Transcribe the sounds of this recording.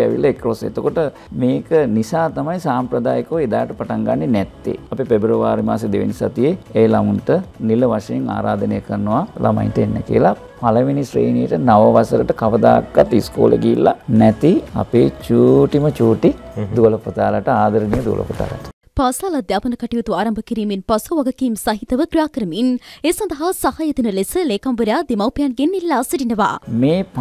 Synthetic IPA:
ɛʋḭlːaekɾosḛt̪okoʈə | meːkənisaːt̪amajsaːmpɾəd̪aːjəkoʋed̪aːʈəpaʈaŋɡanːenɛt̪ːḛapipebɾəʋaːɾima̰ːsed̪eʋḛnisat̪ijeejlamunʈəniləʋaʂɐjeŋa̰ːɾaːd̪ənejəkəɾənəʋalʔa̰ma̰jnʈəenːəkḭəla | paləʋinisɾḛːnijəʈənaʋəʋasəɾəʈəkaʋəd̪aːkːat̪ːiskoːlḛɡiːlːanɛt̪ia̰peːt͡ʃuːʈimət͡ʃuːʈid̪uʋələpət̪aːlaʈəaːd̪əɾənijəd̪uʋə̰lə̰pət̪a̰ːla̰ʈə̥ | paːsaːlɐd̪jaːpɐnɐkɐʈijut̪uaːɾɐmbʱəkiɾiːminpɐsuʋɐɡɐkiːmsɐɦit̪ɐʋəkɾijaːkəɾəmineːsɐ̃nd̪ɐɦasɐhaːjɐt̪inəlesəleːkambəɾjaːd̪emɐwpijanɡenilːaːsəɖinəʋa̰ːmeːp

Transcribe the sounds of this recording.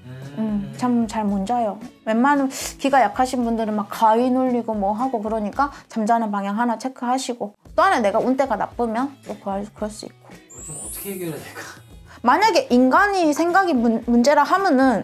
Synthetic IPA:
ɯmt͡ɕʰamt͡ɕaɭmond͡ʑajowenmanɯnkiɡajakʰaɕʰinpundɯɾɯnmak͈ːainoʎːiɡomwʌɦaɡokɯɾʌɲik͈at͡ɕamd͡ʑanɯnpaŋɦjaŋɦanat͡ɕʰe̞kʰɯɦaɕʰiɡot͈oanene̞ɡaunt͈e̞ɡana̰p͈ɯmjʌnt͈okɯkɯɾʌɭs͈uḭk̚k͈o | maɲaɡe̞ʔinɡaɲisʰe̞ŋɡaɡimmund͡ʑe̞ɾaɦamjʌnɯn

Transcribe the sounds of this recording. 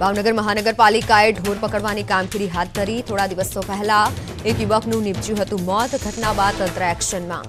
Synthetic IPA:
bʱaʋnəɡəɾməɦanəɡəɾpalikaeɖʱoɾpəkəɽʋanikamkiɾiɦat̪̚d̪ʱəɾit̪ʰoɽad̪iʋəst̪opɛɦla | ekjuʋəkʰnũnɪbt͡ʃjũɦət̪ũmɔt̪ɡʱəʈnaʋat̪ːənt̪ɾəɛkʃənmã̰

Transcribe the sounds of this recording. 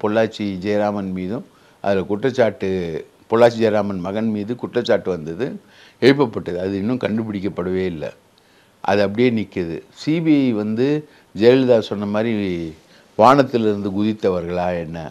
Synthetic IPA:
pɔɭːaːɾt͡ʃːid͡ʒɛjɾaːmɐnmiːðɯ̃ | ʔɐ̰ðɪlɐkʊʈrɐt͡ʃːaːʈːɯ | pɔɭːaːɾt͡ʃːid͡ʒɛːɾaːmɐnmɐɣɐnmiːðɯkʊʈrɐt͡ʃːaːʈːɯʋɐnd̪ɐðɯ | ɛɻɯp̬ːɐpːɐʈːɐðɯɐðɯɪnːɯ̃mkɐɳɖɯpɪɽɪk̬ʲːɐpːɐɽɯʋeːɪlːɐ̰ | ʔɐ̰ðɯɐp̬ːɐɽɪjeːnɪkːɐðɯ̰siːbiɐɪʋɐnd̪ɯ | d͡ʒɛld̪aːsɔnːɐmaːd̪ɾi | ʋaːɳɐt̪ːɪlɪɾɯnd̪ɯɡʊðɪt̪ːɐʋɐɾɣɐɭaːɛnːɐ̰

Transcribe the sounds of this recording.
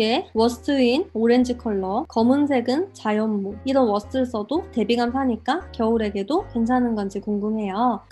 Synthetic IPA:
e̞wʌsʰɯ̥tʰɯinoɾe̞nd͡ʑɯkʰʌɭːʌkʌmuns̬ʰe̞ɡɯnt͡ɕajʌmːoiɾʌnwʌsʰɯ̥tʰɯɭs͈ʌdote̞biɡams̬ʰaɲik͈akjʌuɾe̞ɡe̞dokwe̞nt͡ɕʰanɯnɡʌnd͡ʑʰikoŋɡumɦe̞jo

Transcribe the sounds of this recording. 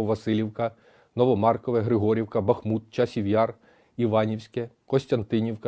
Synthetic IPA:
ɔʋɐsɪlʲiwkɐ | nɔʋɔmɑrkɔʋɛɦɾɪɦɔɾʲiwkɐbɐxmut̪̚t͡ʃɐsʲiʋʲjɑr | iʋɑnʲiwsʲkɛkɔsʲtʲɐnt̪ɪnʲiwkɐ

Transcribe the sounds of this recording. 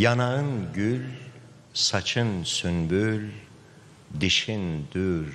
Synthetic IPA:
janaɯnɟylʲ | sat͡ʃʰɯnsynbylʲ | d̪iʃind̪̥yɾ

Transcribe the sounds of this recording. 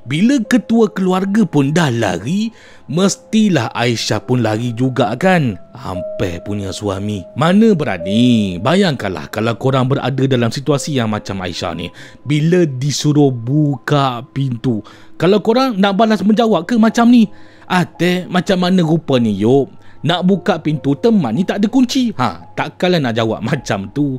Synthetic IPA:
biləkət̪uəkəluarɡapʊndahla̰ɡi | məst̪ilaha̰iʃapʊnlaɡid͡ʒuɡaʔkana̰mpɛ̰puɲasua̰mimanə̃bəɾa̰nibajaŋka̰nla̰hkalawkoɾaŋbəɾʔa̰dədalamsit̪uasijaŋmat͡ʃama̰ḭʃa̰hnḭh | bilədisuɾʊhbukaʔpint̪u | kalawkoɾaŋnaʔbalasməɲd͡ʒawaʔkəhmat͡ʃamni | ʔat̪ɛmat͡ʃamːanə̃ɾupanijoʔnaʔbukaʔpint̪ut̪əmanːit̪aʔdəkuɲt͡ʃihã̰t̪aʔkalahnaʔd͡ʒawa̰ʔ̚mat͡ʃamt̪u

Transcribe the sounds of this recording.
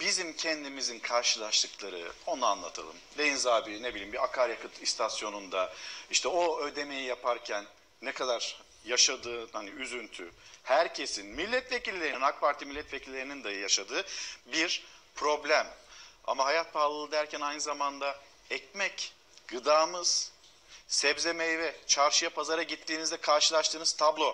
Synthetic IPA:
b̥izimcʰɛnd̪imizinkʰaɾʃɯlˠaʃt̪ˠɯklˠaɾɯ̰o̞naanlˠa̰t̪ʰa̰lˠɯ̰md̪ejinzaːbine̞bilʲimbiɾakʰaɾjakɯt̪ʰist̪ʰasjo̞nund̪aiʃt̪ʰɛo̞ød̪e̞me̞jijapʰaɾcʰænː | ɛkʰad̪aɾ | jaʃad̪ɯːhaniyzynt̪ʰyhæɾcʰe̞sinmilʲːɛt̪vecilʲːeɾninak̚pʰaɾt̪ʰimilʲːɛt̪vecʰilʲːe̞ɾinind̪ajaʃad̪ɯːbiɾpʰɾo̞blʲæma̰maɦajat̪̚bʰaːlˠɯlˠɯd̪æɾcʰænajnɯzamand̪a | ɛc̚mɛc | ɡ̥ɯd̪aːmɯz̥ | sɛvze̞mejivɛt͡ʃʰaɾʃɯjapʰazaɾaɟit̪ʰːiːnizd̪ɛkʰaɾʃɯlˠaʃt̪ʰɯːnɯz̥t̪ʰablˠo

